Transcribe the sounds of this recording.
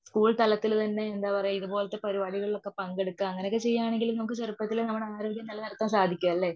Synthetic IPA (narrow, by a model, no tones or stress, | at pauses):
skuːɭt̪ɐlɐt̪ːilt̪ɐnːe̞ːnd̪aːpɐrɐjɐiðupo̞ːlɐt̪ːe̞pɐɾiʋaːɽiɣɐɭiɭo̞kːe̞pɐŋɡeɽukːamɐŋːɐnekːet͡ɕe̞jːaːɳeŋɡilumnɐmɐkːɨt͡ɕerupːɐt̪ːilnɐmːɐɽaːɾo̞ːɡjɐmnɐlːɐnɐlɐt̪ːaːnsaːd̪ʱikʲːuɐlːe̞